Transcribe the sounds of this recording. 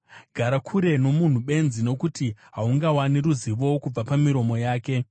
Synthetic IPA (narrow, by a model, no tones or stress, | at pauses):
ɡʱaɾakʰuɾe̞no̞mun̤uɓe̞nzino̞kutiɦauŋɡawaniɾuziʋo̞wkub͡vapamiɾo̞mo̞jaːke̞